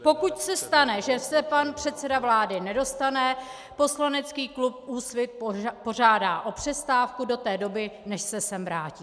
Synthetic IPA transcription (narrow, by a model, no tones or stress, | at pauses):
po̞kucsɛst̪anɛʒɛsɛpanpr̝̥ɛt̪t͡sɛdavlaːdɪnɛdo̞st̪anɛ | po̞slanɛt͡skiːklup̚uːsvɪt̪̚po̞ʒaːdaːʔo̞pr̝̥ɛst̪aːfkudo̞t̪ɛːdo̞bɪnɛʃsɛsɛmvɾaːciː